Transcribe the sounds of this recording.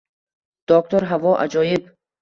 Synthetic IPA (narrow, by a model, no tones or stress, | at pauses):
d̪̥ɔk̚t̪ɔɾɦavɔʔa̰d͡ʒɔjib